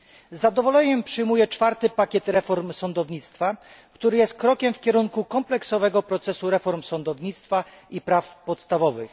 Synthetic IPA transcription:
zːad̪ɔvɔlɛɲɛmpʂɘjmujɛt͡ʂfaɾt̪ɘpakʲɛt̪ɾɛfɔɾmsɔnd̪ɔvɲit̪st̪fa | kt̪uɾɘjɛst̪̚kɾɔkʲɛmfkʲɛɾuŋkukɔmplɛksɔvɛɡɔpɾɔt̪sɛsuɾɛfɔɾmsɔnd̪ɔvɲit̪st̪faipɾafpɔt̪st̪avɔvɘx

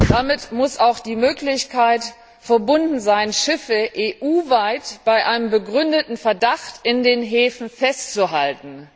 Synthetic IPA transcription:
d̥amɪtmʊsaʊxd̥iːmøːklɪçkʰaɪt | fɛɐbʊndn̩zaɪnʃɪfəʔeːʔuːvaɪtb̥aɪʔaɪnəmbəɡʁʏndətn̩fɛɐdaxtɪndeːnɦeːfn̩fɛst͡suɦaltn̩

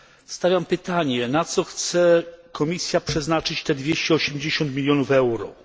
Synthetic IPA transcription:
st̪avʲjampɘt̪aɲɛnat̪sɔxt̪sɛkʰɔmʲisʲjapʂɛznat͡ʂɘt͡ɕt̪ɛd̪vʲjeɕt͡ɕɛɔɕɛmd͡ʑeɕɔnt̪mʲilʲjɔnufɛwɾɔ̰

